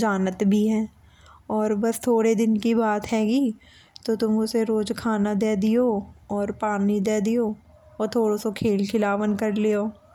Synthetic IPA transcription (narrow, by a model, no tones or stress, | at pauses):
d͡ʒaːnət̪bʱiɦɛ̃ː | ɔːɾbɐst̪ʰoːɽed̪ɪnkibaːt̪ɦɛːɡiː | t̪ot̪ʊmʊseɾoːd͡ʒkʰaːnad̪eːd̪ijoːɔːɾpaːnid̪eːd̪ijoː | ɔːɾt̪ʰoːɽosokʰeːlkʰɪlaːʋənkɐɾlioː